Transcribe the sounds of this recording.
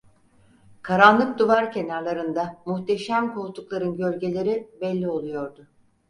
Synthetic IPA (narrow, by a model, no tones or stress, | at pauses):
kʰaɾanlˠɯk̚d̪uvaɾce̞naɾlˠaɾɯnd̪amuht̪ʰe̞ʃæmkʰo̞lˠt̪ʰuklˠaɾɯnɟø̞lʲɟe̞lʲe̞ɾibɛlʲːio̞lˠujo̞ɾd̪ʊ